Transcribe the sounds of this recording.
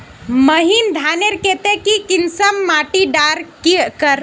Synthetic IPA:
məɦind̪ʱaneɾket̪ekikinsəmːaʈiɖaɾkikəɾ

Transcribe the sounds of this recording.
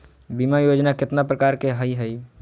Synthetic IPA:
bimajod͡ʒnakɪt̪napɾəkaɾkeɦəjɦəj

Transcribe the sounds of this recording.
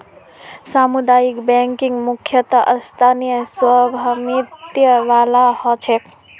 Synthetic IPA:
samud̪ajikbɛŋkiŋɡmukʰjət̪əʔəst̪ʰanijəswəbʱamit̪jəʋalahɔt͡ʃʰek

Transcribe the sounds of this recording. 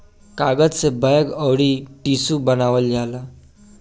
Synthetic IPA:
kaɡəd͡zt͡sebəjəɡəwɽiːʈisubənaʋəlːala

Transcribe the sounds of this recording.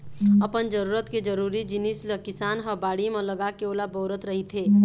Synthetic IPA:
ɐpənd͡ʒəɾuːɾət̪ked͡ʒəɾuːɾid͡ʒɪnisləkɪsaːnɦəbaːɽimẽləɡakeoːlabɔːɾət̪ɾɐɦit̪ʰeː

